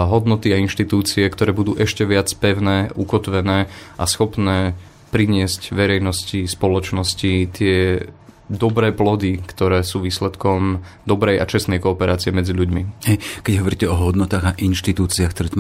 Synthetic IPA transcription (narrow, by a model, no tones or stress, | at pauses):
ɦɔd̪nɔt̪iainʃt̪it̪uːt͡siɛkt̪ɔɾɛːbud̪uːʔɛʃcɛʋɪat͡spɛʊnɛːukɔt̪ʋɛnɛːʔasxɔpnɛː | pɾiɲɪɛscʋɛɾɛjnɔscispɔlɔt͡ʃnɔscit̪ɪɛ | d̪ɔbɾɛːplɔd̪ikt̪ɔɾɛːsuːʋiːslɛt̪kɔm | d̪ɔbɾɛja̰t͡ʃɛst̪nɛjkɔːpɛɾaːt͡siɛmɛd͡ziʎuɟmihɛjkɛɟɦɔʋɔɾiːcɛɔɦɔd̪nɔt̪aːɣaʔinʃt̪it̪uːt͡siaxkt̪ɔɾɛːt̪